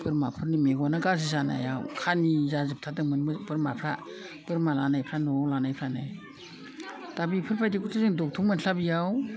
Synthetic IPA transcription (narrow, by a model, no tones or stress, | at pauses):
pɯɾmapʰɯɾnimeɡanaɡaz̬izana̰jawkʰanizazɯp̚tʰatɯŋmɯnmɯbɯɾmapʰɾa | b̥ɯɾmalanajpʰɾanɔlanajpʰɾanaj | tabipʰɯɾpʰajdikʰutʰazɯŋdɔk̚tʰuŋmɯnɬabijaw